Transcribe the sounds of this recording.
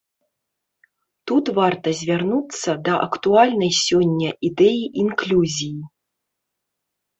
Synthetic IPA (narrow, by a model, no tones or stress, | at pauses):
t̪ut̪vart̪ɐzʲvʲarnut̪sːɐd̪ɐʔɐ̰kt̪ualʲnɐjsʲɔnʲːɐʔid̪ɛjiʔinklʲuzʲiji